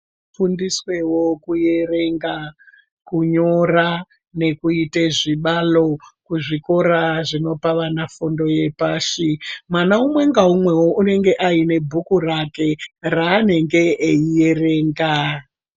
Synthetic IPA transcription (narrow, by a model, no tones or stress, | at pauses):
fundiswe̞wo̞kuje̞re̞ŋɡa | kuɲo̞ra | ne̞kuiteʐiɓalo̞kuʐiko̞ɾaʐino̞paʋanafundo̞je̞paːʃimwanaumwe̞ŋɡaumwe̞woʔune̞ŋɡe̞ʔaine̞bʱukurake̞raːne̞ŋɡe̞ʔːije̞re̞ːŋɡa